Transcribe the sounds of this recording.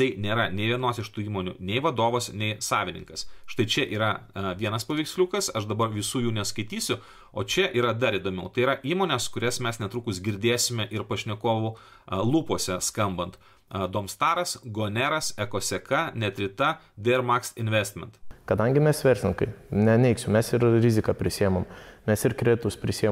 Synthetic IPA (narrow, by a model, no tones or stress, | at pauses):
t̪ɐɪnʲeːɾɐnʲɛɪʋʲiɛnoːsɪʃt̪uːiːmoːnʲʊ̰nʲɛɪʋɐd̪oːʋoːsnʲɛɪsɑːʋʲɪnʲɪ̰ŋkɐsʃt̪ɐɪt͡ʃʲɛʔiːɾɐʋʲiɛnɐspɐʋʲɪksʲlʲuːkɐsɐʃd̪ɐbɐɾʋʲɪsuːjuːnʲɛskɐɪt̪ʲiːsʲʊ | oːt͡ʃʲɛʔiːɾɐd̪ɐɾiːd̪oːmʲɛʊt̪ɐɪiːɾɐʔiːmoːnʲɛskʊɾʲɛsmʲɛsnʲɛt̪ɾuːkʊsɡʲɪɾʲd̪ʲeːsʲɪmʲɛʔɪɾpɐʃʲnʲɛkoːʋʊ | lˠuːpoɔsʲɛskɐmbɐnt̪ | d̪oːmst̪ɑːɾɐsɡoːnʲæɾɐsɛkoːsʲɛkɐnʲɛt̪ʲɾʲɪt̪ɐ | d̪ʲeɾmɑːkst̪ɪnʲʋʲɛsʲt̪ʲmʲɛnt̪kɐd̪ɐŋʲɡʲɪmʲɛsʋʲɛɾʲsʲnʲɪŋkɐɪnʲɛnʲɛɪksʲʊmʲɛsɪɾɾʲɪzʲɪkɑpʲɾʲɪsʲiːɛmommʲɛsɪɾkɾʲet̪ʊspʲɾʲɪsʲijɛ